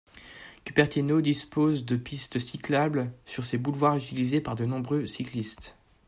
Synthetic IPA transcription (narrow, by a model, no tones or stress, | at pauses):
kʲypɛʁt̪inod̪ispozd̪əpist̪siklablsyʁsebulvwaʁyt̪ilizepaʁd̪ənɔ̃bʁøsiklist̪